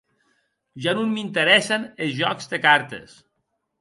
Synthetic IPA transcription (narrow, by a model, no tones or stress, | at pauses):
ʒanunmint̪əɾɛsənezʒɔkzd̪ekaɾt̪ḛs